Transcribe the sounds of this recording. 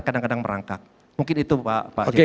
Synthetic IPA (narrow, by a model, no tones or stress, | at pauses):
kadaŋkadaŋməɾa̰ŋkak̚ | muŋkɪnit̪upapa̰od͡ʒe